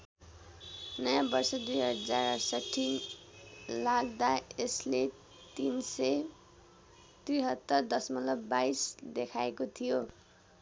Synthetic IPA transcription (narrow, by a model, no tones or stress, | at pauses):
nʌjãbʌrsʌd̪ujɦʌd͡zarʌsʌʈʰːin | laɡd̪aesle | t̪insʌ | d̪̥uijɦʌt̪ːʌrd̪ʌsmʌlʌkbajsd̪ekʰaekot̪ʰijo